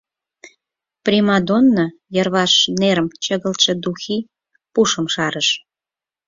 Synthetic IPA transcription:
primɑd̪onːojərβɑʃneɾəmt͡ɕəɣəlt̪ʃĕd̪uxi | puʃəmʃɑɾəʃ

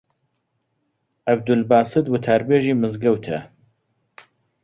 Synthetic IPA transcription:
ʔɐb̚d̪ʊlbaːsɨd̪wʊt̪ʰaːɾbeːʒiːmɨzɡɐwt̪ʰɐ̰

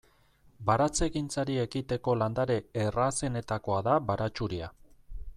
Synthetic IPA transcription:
baɾat͡se̞ɣint͡saɾie̞kit̪e̞ko̞land̪aɾe̞ːrase̞ne̞t̪ako̞aðaβaɾat͡ʃuɾia̰

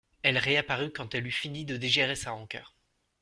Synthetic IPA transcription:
ɛlʁeapaʁykɑ̃t̪ɛlyfinid̪əd̪eʒiʁesaʁɑ̃kʲœ̰ːʁ

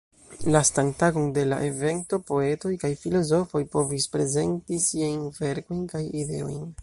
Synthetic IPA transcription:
lastaŋtaɡo̞nde̞la̰ʔe̞ve̞nto̞po̞e̞to̞jkajfilo̞zo̞fo̞jpo̞vispɾe̞ze̞ntisiajnve̞ɾko̞jnkajide̞̰o̞̰jn

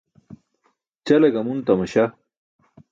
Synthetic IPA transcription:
t͡ɕɐlɐɡɐmunt̪ɐmɐɕa

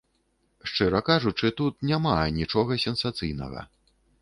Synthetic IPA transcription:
ʂt͡ʂɨɾɐkaʐut͡ʂɨt̪ut̪nʲamanʲit͡ʂɔɣɐsʲɛnsat̪sɨjnɐ̰ɣɐ̰

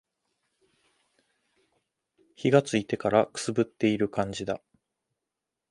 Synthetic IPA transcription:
çiɡat͡sɨit̪e̞kaɾakɯ̟̥sɨbɯ̟t̪ːe̞iɾɯ̟kãɲ̟d͡ʑid̪a

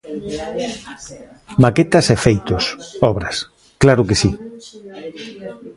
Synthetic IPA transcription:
maket̪ɐsefejt̪osɔβɾɐs | klaɾʊkesi

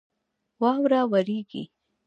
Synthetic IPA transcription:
wɑwɾawaɾiɡḭ

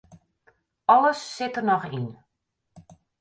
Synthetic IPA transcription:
ɑləsːɪtərnɔχin

